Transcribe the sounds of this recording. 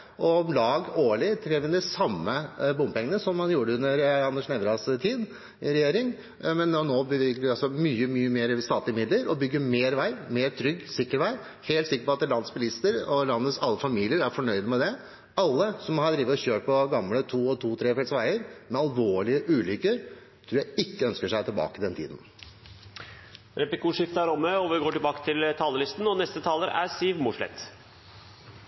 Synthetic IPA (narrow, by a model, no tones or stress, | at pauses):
ʔɔmlɑːɡoːɭɪt̪ʰɾɛʋɪnd̪ɛsɑmːəbʊmpɛŋənəsɔmhɑnjuːɖəʉnːəɾɑnːəʂnɛʋɾɑst̪ʰiːd̪ | ɪɾɛjeːɾɪŋ | mɛnnoːbəʋɪkəɑsɔmyːəmyːəmeːɾst̪ɑːt̪lɪmɪd̪ləɾɔbʏɡːəɾmeːɾʋæɪmeːɾt̪ʰɾʏɡːsɪkːəɾʋæɪ | heːlt̪sɪkːəɾpɔɑt̪̚ːəlɑnsbəlɪst̪əɾɔlɑnːəsɑlːəfɑmiːlɪəɾæɾfɔɳœʏd̪mɛd̪ɛ | ɑlːəsɔmhɑɖɾiːʋət̪ɔçøːɾpɔɡɑmlət̪ʰuːɔt̪ʰuːt̪ʰɾeːfɛlsʋæɪəɾmɛɑlʋoːɭɪəʔʉːlʏkːəɾ | t̪ʰɾuːɾjæɪɪkːəœnskəʂæɪt̪ʰɪlbɑ̰ːkəd̪ɛnt̪ʰḭːd̪n | ɾɛplɪkʰuːʂɪft̪əæɾɔmːəɔʋɪɡoːʈɪlbɑːkə̥t̪ʰɪlt̪ʰɑːləlɪst̪n̩ɔnɛst̪ət̪ʰɑːləɾæ̰siːʋmʊʂɭɛ̰t̪